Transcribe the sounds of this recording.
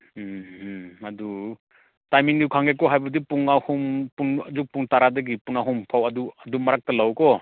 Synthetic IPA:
adu | tajmiŋdikʰaŋɡekɔɦajbɐdipuŋahumpunzuk̚puŋtaɾadɐɡipunaɦumpʰawɐduɐdumɐɾak̚tɐlawkɔ

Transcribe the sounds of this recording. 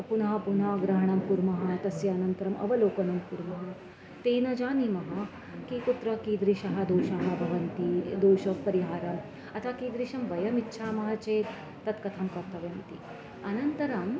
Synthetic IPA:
punɐɦɐpunaːɡɾɐɦɐɳɐmpuɾmɐɦɐt̪ɐsjɐːnɐnt̪ɐɾɐmʔɐ̰ʋɐloːkɐnɐmpuɾmɐɦɐ | t̪eːnɐd͡ʒaːnimɐɦɐ̆ | kikut̪ɾɐkiːd̪ɾiʃɐɦɐ̆d̪oːʃɐɦɐ̆bʱɐʋɐnt̪id̪oːʃɐʋpɐɾiɦaːɾɐm | ɐt̪ʰakiːd̪ɾiʃɐmʋɐjɐmitːʃʰaːmɐɦɐ̆t͡ʃeːt̪ː | ɐt̪kɐt̪ʰɐmkɐɾt̪ɐʋjɐnt̪i | ɐnɐnt̪ɐɾɐm

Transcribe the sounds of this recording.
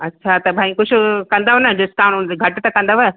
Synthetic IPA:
ɐtːʃʰat̪ɐbʱaːĩkʊd͡ʑʰʱʊ̆kɐ̃nd̪aɦonɐd͡ʑʊst̪aːɽ̃ʊnd̪eɡʱɐʈt̪ɐkɐ̃nd̪aʋɐ

